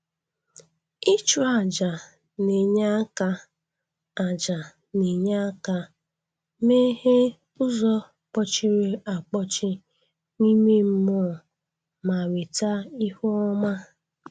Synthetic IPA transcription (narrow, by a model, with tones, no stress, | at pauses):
i˦t͡ʃu˨a˨d͡ʒa˨ | ne˨ɲa˦ka˦ | a˨d͡ʒa˨ | ne˨ɲa˦ka˦ | me˦he˦ | ʊ˦zɔ˦ | k͡pɔ˦t͡ʃɪ˦ɾe˦a˨k͡pɔ˦t͡ʃɪ˦ | ni˦me˦m̩˦mɔ˦˨ | ma˨we˨ta˦i˦hu˦ɔ˦ma˦